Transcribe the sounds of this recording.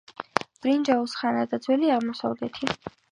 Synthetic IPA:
b̥ɾind͡ʒausχanad̪ad̪zwɛliaʁmɔsa̰vlɛt̪ʰi

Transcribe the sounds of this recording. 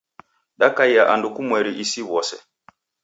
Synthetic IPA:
ɗakaiaʔandukumwɛɾiʔisiβɔsɛ

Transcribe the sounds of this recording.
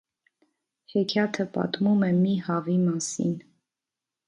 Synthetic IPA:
hɛkʰjɑt̪ʰəpɑ̰t̪mumɛmihɑvimɑsḭn

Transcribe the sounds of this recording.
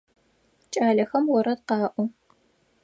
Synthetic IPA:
t͡ʃʼaːɮɐxɐmwɔɾɐdqɑːʔʷu

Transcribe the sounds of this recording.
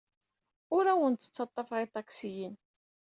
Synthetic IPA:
ʊɾæwənt̪ə̥t͡sːɑt̪ˤːɑfʁit̪ˤɑksijin

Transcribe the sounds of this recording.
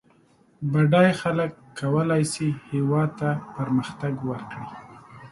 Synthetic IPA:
baɖɑjxaləkːawəlajsihewɑd̪̚t̪apəɾməxt̪aɡwəɾkɽi

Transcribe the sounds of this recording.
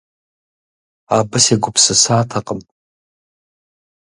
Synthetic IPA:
abɨseɡʷʊpʰsɨsaːtʰaqʼəmtʼ

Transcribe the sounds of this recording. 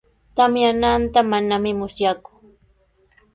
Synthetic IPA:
t̪amjanant̪amanamɪmʊsjakʊ̥

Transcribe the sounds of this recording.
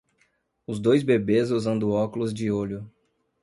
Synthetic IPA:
ʊzd̪ojzbebezuzɐ̃nd̪ʊɔkʊlʊzd͡ʒɪoʎʊ

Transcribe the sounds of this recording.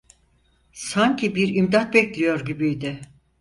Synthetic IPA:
saɲcʰibiɾimd̪at̪̚bɛclʲijo̞ɾɟibijd̪ɪ

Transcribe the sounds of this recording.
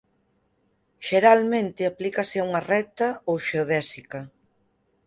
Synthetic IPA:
ʃeɾalmẽnt̪ɪaplikɐsɪauŋɐrɛt̪ɐowʃeoðɛsikɐ

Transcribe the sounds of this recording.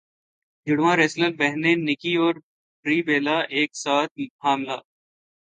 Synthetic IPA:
d͡ʒʊɽʋãːɾeːsləlbɛɦnẽnɪkiɔːɾ | pɾiːbeːlaʔeːksaːt̪̚ʰhaːmlaː

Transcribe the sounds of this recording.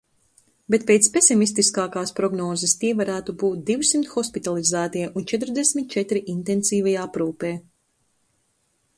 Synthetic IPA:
bet̪̚pejt̪spesimist̪iskaːkaːspɾɔɡnɔːzɐst̪iɛvaɾæːt̪ubuːt̪̚d̪iwsimt̪xɔspit̪alˠizæːt̪iɛʔunt͡ʃɛt̪ɾd̪esʲmʲit̪̚t͡ʃɛt̪ɾiʔint̪ensiːvajaːapɾuːpɛː

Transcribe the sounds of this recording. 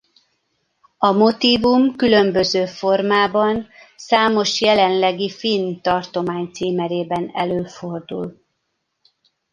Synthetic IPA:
ɒmo̞t̪iːvumkylø̞mbøzøːfo̞rmaːbɒnsaːmo̞ʃjɛlɛnlɛɡifint̪ɒrt̪o̞maːɲt̪siːmɛɾeːbɛnɛ̰løːfo̞rd̪ṵl

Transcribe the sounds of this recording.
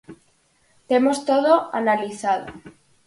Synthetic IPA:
t̪emost̪oðoanaliθað̞o̰

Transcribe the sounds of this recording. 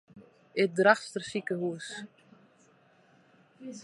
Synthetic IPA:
ɪt̚draxstərsikəhuəs

